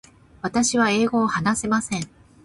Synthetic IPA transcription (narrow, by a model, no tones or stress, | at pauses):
βat̪aɕiβ̞ae̞ːɡo̞ːhanase̞masẽ̞ŋ